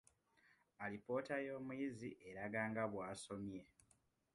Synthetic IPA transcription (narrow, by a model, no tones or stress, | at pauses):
alipo̞ːtajo̞ːmuiziʔeɾaɡaːŋɡaβwaːso̞mje̞